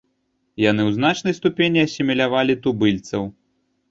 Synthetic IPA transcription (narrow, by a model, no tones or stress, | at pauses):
janɨwznat͡ʂnɐjst̪upʲenʲiɐsʲimʲɛlʲavalʲit̪ubɨlʲt̪sɐw